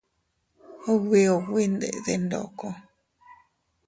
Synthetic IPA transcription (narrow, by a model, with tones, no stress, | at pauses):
o˦wi˧o˨wi˦nd̪ḛ˨ʔðe˧ndo̰˨ko˧